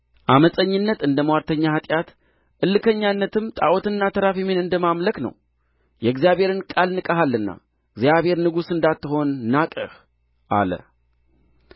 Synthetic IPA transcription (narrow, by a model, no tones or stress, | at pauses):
ʔaməsʼəɲːɨnːət̪ɨnd̪əmwaɾt̪ʰəɲːahat̪ʼjat̪ | ʔɨlːɨkʰəɲːanːət̪ɨmt̪ʼaʔot̪ɨnːat̪ʰəɾafimenɨnd̪əmamləknə̰w | jɛɡzijaβhe̞ɾɨnkʼalnɨkʼəɦalːɨnːa̰ | ɡzjaβhe̞ɾnɨɡusɨnd̪at̪ːɨɦo̞nːakʼə̰h | ʔa̰lə̰